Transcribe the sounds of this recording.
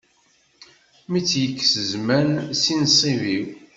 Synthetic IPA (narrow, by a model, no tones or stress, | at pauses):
mit͡sːjəkːsəzmænsinsˤiviw